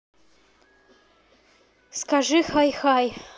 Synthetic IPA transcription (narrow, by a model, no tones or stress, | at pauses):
skaʐɨxajxaj